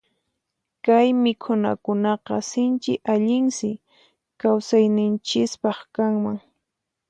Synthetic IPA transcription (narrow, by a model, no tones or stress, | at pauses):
kajmɪkʰʊna̰kʊnɑqɑsɪnt͡ʃɪʔaʎɪŋsɪ | kawsajnɪnt͡ʃɪspɑχkaŋmaŋ